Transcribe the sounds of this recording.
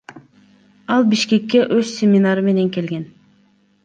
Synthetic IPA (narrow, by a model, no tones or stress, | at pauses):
ɑlˠbiʃke̞kʲːe̞ʔøzsʲemʲinaɾɯme̞ne̞ŋke̞lɡen